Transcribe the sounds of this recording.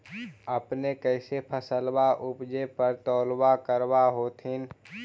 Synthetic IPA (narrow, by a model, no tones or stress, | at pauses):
əpnekɛɪsepʰəsəlbaʔʊpd͡ʒepəɾt̪ɔːlbakəɾwaɦoːt̪ʰɪn